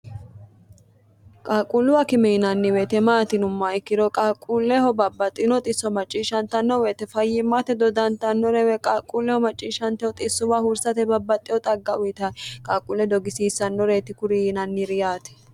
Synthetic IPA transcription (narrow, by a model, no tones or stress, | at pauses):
kʼaːkʼulːʊwɐkɪmɛɪnɐnːɪwɛt̪ɛmaːt̪ɪnʊmːɐɪkːɪd̪ɔkʼaːkʼːulːɛhɔbɐbːɐt̪ʼːɪnɔt̪ʼɪsːɔmɐt͡ʃʼːiːʃɐnt̪ɐnːɔwɛt̪ɛfɐjɪmːɐt̪ɛd̪ɔd̪ɐnt̪ɐnːɔɾɛwɛkʼaːkʼːulːɛhɔmɐt͡ʃʼːiːʃɐnt̪ɛhɔt̪ʼɪsːʊwahʊɾsɐt̪ɛbɐbːɐt̪ʼːɪjɔt̪ʼɐɡːɐʔʊjɪt̪ɐkʼaːkʼulːɛd̪ɔɡɪsiːsːɐnːɔɾet̪ɪkʊɾinɐnːɪɾɪjaːt̪ɛ̥